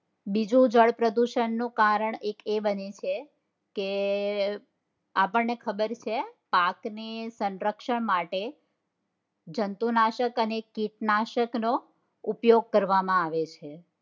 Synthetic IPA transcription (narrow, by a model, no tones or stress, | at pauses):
bid͡ʒũd͡ʒəɭpɾəd̪uʃənːukaɾəɳekebənet͡ʃʰe | ke | apəɳnekʰəbəɾt͡ʃʰepaknesənɾəkʃəɳmaʈe | d͡ʒənt̪unaʃəkənekiʈnaʃəkno | upjoɡ̚kəɾʋamãaʋet͡ʃʰe